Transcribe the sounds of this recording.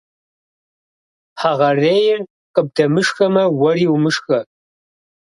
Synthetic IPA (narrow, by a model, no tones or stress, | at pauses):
ħaʁɐreːjɪr | qʼəb̚dɐmɨʂxɐmɐwɐɾiːwmɨʂxɐ